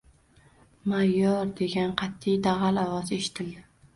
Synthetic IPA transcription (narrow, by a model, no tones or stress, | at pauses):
majːɒɾd̪e̞ɡʲanqʰɑt̪ʰːijd̪aʁalawɒze̞ʃɪ̥t̪ʰɪld̪ɪ